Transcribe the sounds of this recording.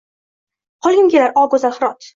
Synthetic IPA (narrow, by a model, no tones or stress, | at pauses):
qʰɒlˠɡʲɪŋɡʲelaɾʔɒɡozalχɨɾɒt̪